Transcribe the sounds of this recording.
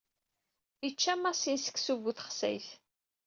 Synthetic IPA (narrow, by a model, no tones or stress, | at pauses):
it͡ʃːæmːæʁsinsə̥kːsuvuθəχsæ̰jθ